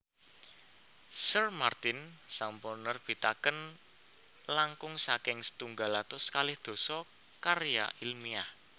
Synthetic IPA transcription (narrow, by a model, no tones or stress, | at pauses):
sərmart̪ɪnsampɔnərb̥i̤t̪akən | laŋkʊŋsakɪŋsə̥t̪uŋɡalat̪ʊskalɪhd̪̥o̤sɔ | kaɾja̰ʔilmiah